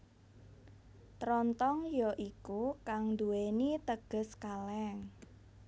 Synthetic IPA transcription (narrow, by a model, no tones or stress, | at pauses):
t̪ɾɔnt̪ɔŋjɔʔikukaŋnd̪uwenit̪əɡ̥ə̤skalɛŋ